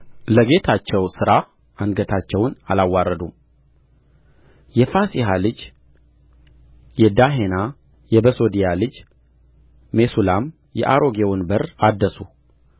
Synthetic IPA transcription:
ləɡe̞t̪ʰat͡ʃːɛwsɨɾa | anɡət̪ʰat͡ʃːɛwnalawːarːəd̪um | jɛfasiɦalɨd͡ʒ | jɛd̪aɦena | jɛbəso̞d̪ijalɨd͡ʒ | e̞sulam | jɛ̰ʔaɾo̞ɡewunbərad̪ːəsu

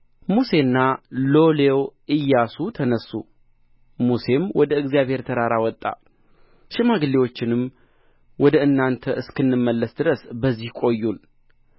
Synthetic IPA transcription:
muse̞nːalo̞lewʔɨjːasut̪ʰənəsːu | muse̞mwɔd̪əɨɡzijaβhe̞ɾt̪ʰəɾaɾawɔt̪ʼːa̰ | ʃɪmaɡɨlːewo̞t͡ʃːɪnɨm | wɔd̪əɨnːant̪ʰəʔɨskɨnːɨmːəlːəsd̪ɨɾəsbəzːihkʼo̞jːul

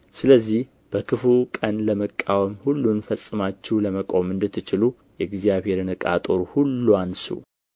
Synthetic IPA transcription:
sɨləzːih | b̥əkʰɨfukʼənləməkʼːawəmhulːunfəsʼːɨmat͡ʃːɛwləməkʼo̞mɨnd̪ɨt̪ʰːɨt͡ʃɪlu | jɛɡzjaβhe̞ɾɨnɨkʼa̰t̪ʼoɾuhulːuansṵ

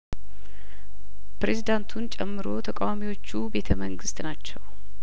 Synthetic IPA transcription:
pɾe̞zid̪ant̪ʰunt͡ʃʼɛmːɨɾo̞̰t̪ʰəkʼawamiwo̞t͡ʃːube̞t̪ʰəməŋɡɨst̪nat͡ʃːɛw

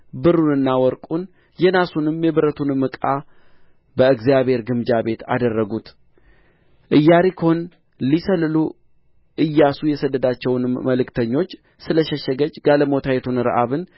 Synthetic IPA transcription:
bɨɾunɨnːawɔɾkʼun | jɛnasunɨmjɛβɨɾət̪ʰunmɨkʼa | bəɨɡzijaβhe̞ɾɡɨmd͡ʒabe̞t̪a̰d̪ərːəɡut̪ | ʔɨjːaɾikʰəhon | lisəlɨlu | ʔɨjːasujɛsəd̪ːəd̪at͡ʃːɛwnməlɨkt̪ʰəɲːo̞t͡ʃː | sɨləʃɛʃəɡəd͡ʒɡaləmot̪ʰajɛt̪ʰunɾə̰ʔaβɨn

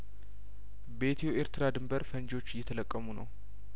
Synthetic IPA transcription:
be̞t̪ʰeoʔeɾt̪ʰɨɾad̪ɨmbəɾfənd͡ʒo̞t͡ʃːjːɛt̪ʰələkʼːəmunə̰w

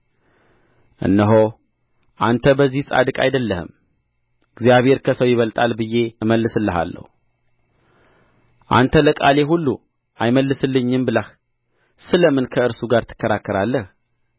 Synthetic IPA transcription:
ʔɨ̰nːəɦo | ʔant̪ʰəbəzːihsʼa̰d̪ɨkʼa̰jd̪əlːəhɨ̰m | ɨɡzijaβhe̞ɾkʰəsəwjɪβəlt̪ʼalbɨje̞məlːɨsɨlːəɦa̰lːə̰hu | ʔa̰nt̪ʰələkʼale̞ɦulːu | ʔajməlːɨsɨlːɨɲːɨmbɨləh | sɨləmɨnkʰəɨɾsuɡaɾt̪ʰɨ̥kːəɾakːəɾalːəh

